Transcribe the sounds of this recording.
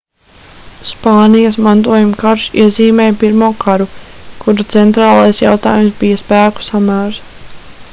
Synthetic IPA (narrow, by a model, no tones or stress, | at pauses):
spaːnijɐsmant̪̬uɔjumkaɾʃḭɛziːmɛːjpiɾmuːkaɾukʰuɾut̪sɛnt̪ɾaːlˠajsja̰wt̪aːjumsbijaspæːku̥samæːɾs